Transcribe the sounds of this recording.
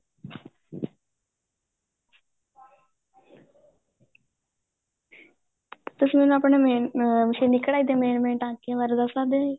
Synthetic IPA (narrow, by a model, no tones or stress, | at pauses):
t̪ʊsmɛːnũapɳeːmeʃeːnɪkɽaːiːd̪eːmeːnmẽːɳʈãːkĩʋəɾd̪asaːd̪eiː